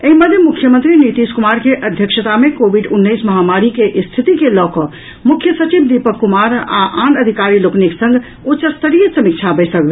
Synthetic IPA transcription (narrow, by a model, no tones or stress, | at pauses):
eɦiməd̪ʱjemukʰːjəmənt̪ɾinit̪iskumaɾkeʔəd̪ʱjəkʃət̪amekobʱiɖunːəjsməɦamaɾikeʔst̪ʰit̪ikelɔkɔ | mukʰːjəsət͡ʃibd̪ipəkːumaɾa̰ʔanəd̪ʱikaɾilokniksə̃ŋɡ | ut͡ʃəst̪əɾijəsəmik̚t͡ʃʰabəjsəkbe